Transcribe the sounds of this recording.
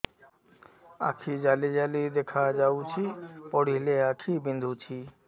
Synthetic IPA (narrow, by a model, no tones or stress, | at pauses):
a̰kʰid͡ʑalid͡ʑalid̪ekʰad͡ʑawt͡ɕʰipɔɽileakʰibind̪ʱut͡ɕʰi